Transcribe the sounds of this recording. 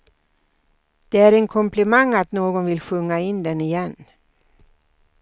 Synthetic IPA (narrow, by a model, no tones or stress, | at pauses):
d̪̥ɛæɾɛŋkʰɔmplɛmaŋːat̪noːɡɔnvɪlɧɵŋːaɪnd̪ɛnɪjɛn